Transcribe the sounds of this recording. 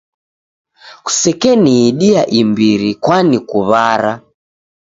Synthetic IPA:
ku̥sɛkɛniːɗiaʔimbiɾikwanikuβaɾa

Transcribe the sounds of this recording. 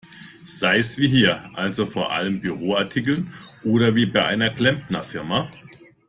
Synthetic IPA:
z̥aɪəsv̥iːɦiːɐʔalzofoːɐʔa̰ləmbyʁ̞oːaɐtʰikl̩nʔoːɾɐviːbaɪʔa̰ɪnɐkl̥ɛmpnɐfɪɐma

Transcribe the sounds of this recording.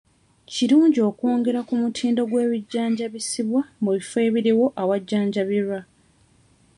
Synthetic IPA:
ciɾuːɲɟio̞ːkoːŋɡe̞ɾakumutʰiːndo̞ɡwe̞ːβiɟːaːɲɟaβisiβwamuβife̞ːβiɾiwo̞ʔawaɟːaːɲɟaβiɾwa

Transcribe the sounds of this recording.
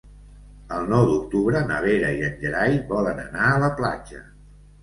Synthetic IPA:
əlˠnɔwd̪uk̚t̪uβɾənə̰βeɾəiənʲʒəɾajβɔlənə̰naələpla̰d͡ʒə̰

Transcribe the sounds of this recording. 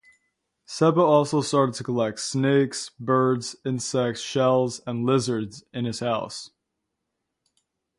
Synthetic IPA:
sɛbəɔlˠsoʊstɑɹɾəd̚tʰɨkʰəlɛk̚tsneɪksbɜ˞dzɪ̃nsɛk̚tsʃɛlˠzə̃nlɪzə˞dzɨ̃nɨz̥haʊs

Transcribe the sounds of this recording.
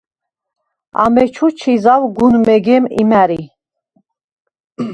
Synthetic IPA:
a̰mɛt͡ʃʰut͡ʃʰizavɡunmɛɡɛmḭmæɾi

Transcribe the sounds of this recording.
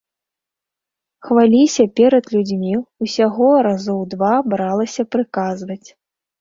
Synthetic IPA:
xvalʲisʲɐpʲɛɾɐd̪lʲud͡zʲmʲiusʲaɣɔɾazɔwd̪vabɾalˠɐsʲɐpɾɨkazvɐt͡sʲ

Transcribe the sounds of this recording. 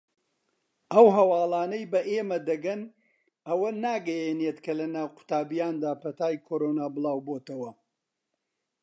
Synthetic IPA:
ɐwɦɐwɑːlˠaːnɐjbɐʔeːmɐd̪ɐɡɐn | ɐwɐnaːɡɐjeneːt̪kʰɐlɐnaːwqʊ̥t̪aːbijaːnd̪aːpʰɐt̪aːjkʰoɾoːnaːbɨlˠaːwboːt̪ɐwɐ

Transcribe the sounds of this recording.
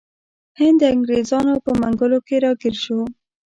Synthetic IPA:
hɪnd̪əaŋɡɾezɑnopəmaŋɡʊlokeɾɑɡɪɾʃo

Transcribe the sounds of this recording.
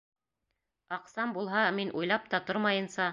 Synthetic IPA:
ɑqsɑmbulˠɦɑminʔujlˠɑp̚t̪ɑt̪oɾmɑjɤ̆nsɑ

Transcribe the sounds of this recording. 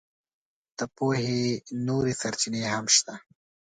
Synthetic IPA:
d̪̥əpohenoɾesaɾt͡ʃinehamʃt̪a

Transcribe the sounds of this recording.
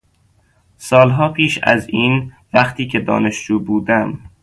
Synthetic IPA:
sɒːlɦɒːpʰiːʃæ̰ziːn | væχt̪ʰiːcʰed̪ɒ̰ːneʃd͡ʒuːbuːd̪æm

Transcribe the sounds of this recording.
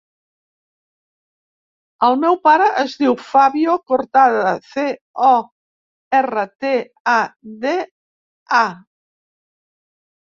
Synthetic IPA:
awmɛwpaɾəʔəzðiwfaβjokoɾt̪aðɐθe | ɔ | ɛrət̪e | aðe | a

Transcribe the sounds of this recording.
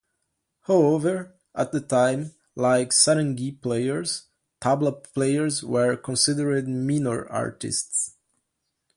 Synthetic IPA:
haʊɛvə˞ | ʔət̪̚ðətʰãɪ̃m | laɪksaɾə̃ŋɡipleɪə˞z̥ | tʰablətpʰleɪə˞zwə˞kʰɔ̃nsɪdə˞ɪd̚minəɹa̰ɹtɪ̰sts

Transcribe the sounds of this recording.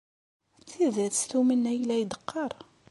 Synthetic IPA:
t͡sːiðæsθumənæjlæjd̪əqːɑɾˤ

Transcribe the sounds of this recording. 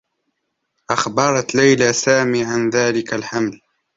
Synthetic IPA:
ʔaxbɑɾˤɑt̪lajlaːsaːmiːʕanðaːlɪkalħaml

